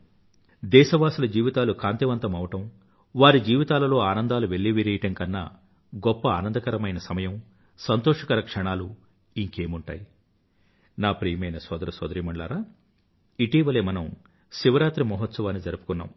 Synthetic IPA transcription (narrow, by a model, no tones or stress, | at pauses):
d̪ɛːʃɐʋaːsilɐd͡ʒiːʋit̪aːlukaːnt̪iʋɐnt̪ɐmɐʋɐʈɐm | ʋaːɾid͡ʒiːʋit̪aːlɐlo̞ːaːnɐnd̪aːluʋe̞ɭːiʋiɾeːjɐʈɐŋkɐnːa̰ː | ɡɔpːɐa̰ːnɐnd̪ɐkɐɾɐmɐjnɐsɐmɐjɐm | sɐnt̪oːʂɐkɐɾɐkʂɐɳaːlu | iŋke̞ːmuɳʈa̰ːji | naːpɾijɐmɐjnɐsɔːd̪ɐɾɐsɔ̰ːd̪ɐɾiːmɐɳɖla̰ːɾaː | iʈiːʋɐleːmɐnɐm | ʃiʋɐɾaːt̪ɾimɔɦɔt̪sɐʋaːnːid͡ʒɐɾupu̥kunːa̰ːm